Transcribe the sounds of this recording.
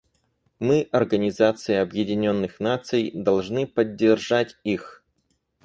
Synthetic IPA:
mɨʔɐrɡənʲɪzat̪sɨɪɐbjɪdʲɪnʲo̞nːɨxnat̪sɨjd̪ɐlˠʐnɨpədʲːɪrʐatʲix

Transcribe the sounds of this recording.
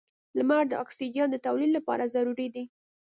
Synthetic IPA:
lmaɾd̪əɑksid͡ʒijɑnd̪ət̪awlid̪lːapɑ̰ɾazaɾuɾid̪i

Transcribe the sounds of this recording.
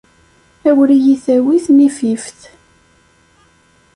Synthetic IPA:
æwlijiθæwiθmififθ

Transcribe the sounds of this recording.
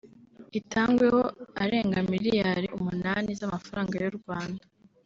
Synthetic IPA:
itʰaːŋɡwe̞ho̞aɾe̞ːŋɡamiɾijaɾeʔumunaːnizamafaɾaːŋɡajuɾɡwaːnda

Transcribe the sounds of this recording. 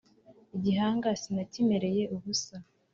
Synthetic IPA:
iɟiɦaːŋɡasinacime̞ɾe̞je̞ʔuβusa

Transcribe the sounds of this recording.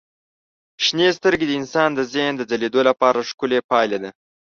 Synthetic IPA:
ʃnest̪əɾɡed̪əɪnsɑnd̪əzend̪əd͡zaled̪olapɑɾaʂkʊlepɑjlad̪a

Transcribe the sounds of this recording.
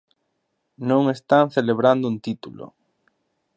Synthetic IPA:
nõŋest̪aŋθeleβɾand̪ʊunt̪it̪ulo̰

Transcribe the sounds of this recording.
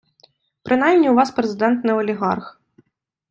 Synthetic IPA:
pɾɨnajmʲnʲiwvaspɾɛzɨd̪ɛnt̪nɨɐlʲɛɣa̰rx

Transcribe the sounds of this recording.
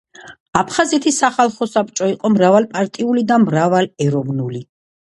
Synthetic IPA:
apʰχazɛt̪ʰisaχalˠχɔsap̚t͡ʃʼɔiqʼɔmɾavalˠpʼaɾt̪ʼiulid̪amɾavalɛɾɔvnuli

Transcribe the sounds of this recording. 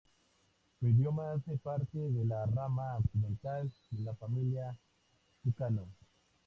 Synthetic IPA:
seiðjomaasepaɾt̪eðelaramaːksiment̪alelafamilja | sukano

